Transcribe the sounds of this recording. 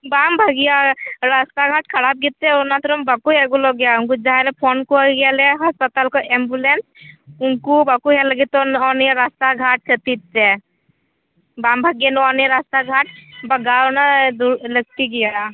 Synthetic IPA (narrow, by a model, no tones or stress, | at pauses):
bambʱəɡjaɾast̪aɡʱaʈkʰəɽap̚ɡit̪̚t͡ʃeunat̪ɾumbakueɡulɔɡjauŋkud͡ʒaɦalepʰonkuaɡaleɦəspət̪alkɔʔembulensuŋkubakuɦɛləɡit̪ːɔnɔneɾast̪aɡʱaʈ̚t͡ʃʰət̪it̪̚t͡ʃe | bambʱəɡjenuɔnjeɾast̪aɡʱaʈbəɡawnad̪uɾlək̚t̪iɡiala